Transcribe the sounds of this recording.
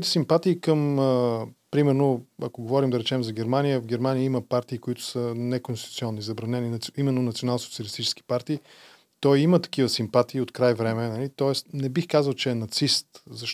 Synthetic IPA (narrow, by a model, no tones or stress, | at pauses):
t̪ɛ̥simpat̪iːkəməpɾimɛɾnoɐkoɡovɔɾimd̪ɐɾɛt͡ʃɛmzɐɡ̟ɛɾmanijəvɡɛɾmaniəiməpaɾt̪iːkoit̪ʊ̥sənɛkonst̪it̪ut̪siɔnːizɐbɾɐnɛninɐimɛnːonɐt̪sionalˠsot̪sijəlist̪it͡ʃɛ̥ski̥paɾt̪iː | t̪ɔjimət̪ɐ̥k̟ivəsimpat̪iːot̪kɾajvɾɛmɛnɐlit̪ɔɛst̪nɛbixkazəlˠt͡ʃɛɛnɐt̪sist̪zɐʃ